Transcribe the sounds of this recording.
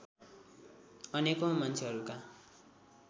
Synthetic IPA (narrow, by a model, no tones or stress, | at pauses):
ʌnekomʌnt͡sʰeɦʌɾuka